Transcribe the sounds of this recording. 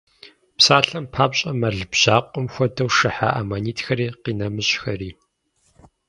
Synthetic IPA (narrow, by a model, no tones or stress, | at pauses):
psaːɬɐmpʰaːpɕʼɐmɐɮbʑ̥aːqʷʼɔmxʷɔdɐwʂɨħa̰ːʔamaniːtʰxɐɾiːqiːnɐmɨɕxɐriː